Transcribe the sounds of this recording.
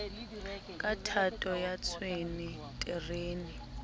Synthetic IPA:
kʼatʰatʼɔjat͡sʰweni | tʼɛreːni

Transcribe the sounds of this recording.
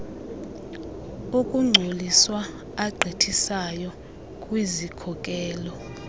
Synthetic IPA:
ukʼuŋ͡ǀʱoliswa | aɡ͡ǀʱitʰisajɔ | kʼwizikʰɔkʼɛːlɔ

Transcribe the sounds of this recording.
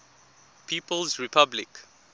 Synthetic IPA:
pʰiːpəlzɹipʰablɪk

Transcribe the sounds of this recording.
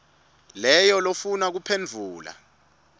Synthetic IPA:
lɛjɔlofunak̬upʰend͡vʱuːla̰

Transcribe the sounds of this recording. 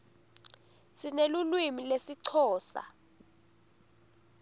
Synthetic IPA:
sinelulwimilesiǀʰɔːsa̰

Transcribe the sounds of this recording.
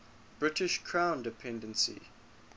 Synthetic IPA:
b̥ɹɪtɪʃkʰɹ̥ãʊ̃ndɪpʰɛ̃ndə̃nsḭ

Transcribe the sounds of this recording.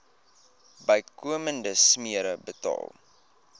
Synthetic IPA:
bəjkuəməndəsmiəɾəbətɑ̰ːlˠ

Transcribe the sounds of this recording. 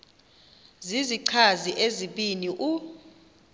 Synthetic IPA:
ziziǀʰaziʔeziɓiniʔu

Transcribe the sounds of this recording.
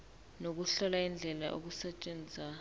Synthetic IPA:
nok̬uɬɔlaind͡ɮʱɛlaʔo̰k̬usɛt͡ʃʼend͡zʱa

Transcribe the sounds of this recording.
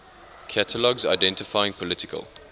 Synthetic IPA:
kʰatʰəlɔɡza̰ɪdɛ̃ntɪfaɪɪ̃ŋpʰɔlɪtɪkʰə̰l

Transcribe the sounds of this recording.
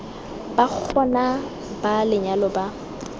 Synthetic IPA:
bak͡xʰɔna | balɪɲalɔba

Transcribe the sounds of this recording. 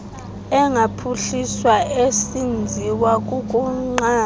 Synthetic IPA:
ɛŋapʰuɬiswaesind͡zʱiwakʼukʼuŋ͡ǃaː

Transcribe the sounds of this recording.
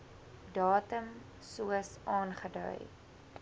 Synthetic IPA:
dɑːtəm | suəsɑːnχədœ̰j

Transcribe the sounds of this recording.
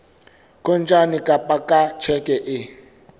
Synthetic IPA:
kʼɔnt͡ʃʼanikʼapʼakʼat͡ʃʰɛkʼɛʔɪ

